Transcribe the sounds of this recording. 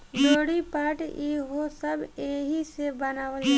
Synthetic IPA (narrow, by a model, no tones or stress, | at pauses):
d͡ʒoːɽipaːʈiɦosəbeːɦisebənaːʋəl